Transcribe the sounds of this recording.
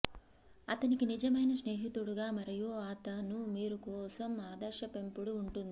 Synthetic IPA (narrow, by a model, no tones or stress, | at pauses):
ɐt̪ɐnikinid͡ʒɐmɐjnɐʃne̞ːɦit̪ɾuɽuɡaːmɐɾɐjoːaːt̪ɐnumiːɾukɔːsɐmaːd̪ɐɾʃɐpe̞mpuɽuːɳʈund̪ii